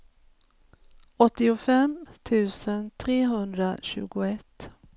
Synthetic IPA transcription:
ɔt̪ːɪʊfɛmt̪ʰʉ̟ːsənt̪ʰɾeːɦɵnd̪ɾa̰ɕʉ̟̰ːɡʊɛt̪ː

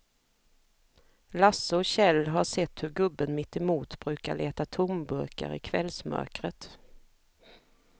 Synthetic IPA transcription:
lasːəɔɕɛlːɦaʂɛt̪ːhɵɾɡɵbːənmɪt̪ːɛmuːt̪bɾʉ̟ːka̰ɭeːt̪at̪ʰʊmbɵɾka̰ɾɪ̰kʰvɛlsmœ̰ɾkɾət̪

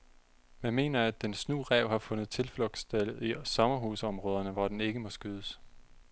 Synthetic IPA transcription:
mænme̝̰ːnɐæd̥ensnṵːʁɛʊ̰hɑ̈fɔ̽nð̩ˠt͡sʰe̝lflɔ̽ɡ̥sd̥elˠisɒ̽mɐɦusəɒ̽mʁɔ̽ːð̞ˠɐnəʋɒd̥ene̝ɡ̥əmɒ̽sɡ̥øðˠəs

